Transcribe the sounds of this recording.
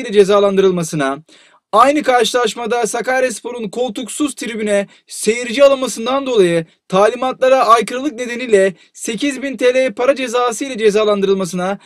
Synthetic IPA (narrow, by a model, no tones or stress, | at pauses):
lʲɛd͡ʒe̞zaːlˠand̪ɯɾɯlˠmasɯna | ajnɯkaɾʃɯlˠaʃ̬mad̪asakaɾɛspʰo̞ɾunkʰo̞lˠt̪uksuz̥t̪ʰiɾibynɛ | se̞jiɾid͡ʒialˠanmasɯnd̪and̪o̞lˠajɯ | t̪ʰaːlʲimat̪lˠaɾaajkɯɾɯlˠɯk̚ne̞d̪e̞niːlʲɛ | se̞cʰizbint̪ʰelʲejpʰaɾad͡ʒe̞zaːsɯjlʲɛd͡ʒe̞zaːlˠand̪ɯɾɯlˠmasɯna